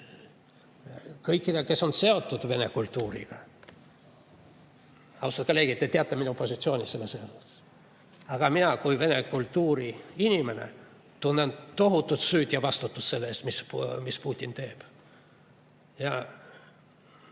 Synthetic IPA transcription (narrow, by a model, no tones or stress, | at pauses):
kɤjkːˑid̪eke̞sːo̞nse̞o̞t̪ˑːud̪̥ve̞ne̞kult̪ːˑuːɾḭɡ̥ɑ | ɑust̪ɑt̪kɑleɡ̥it̪ːet̪eɑt̪ːˑeminupo̞sʲit̪sio̞ːnʲise̞lːesːeoses | ɑɡ̥ɑminɑkujve̞ne̞kult̪ːuːɾiinʲime̞ne̞̰ | t̪unːent̪o̞ɦut̪ːˑut̪syːd̪̥jɑvɑst̪ut̪ːˑusse̞lːeest̪mismispuːt̪ʲːint̪e̞ːb̥ | jɑ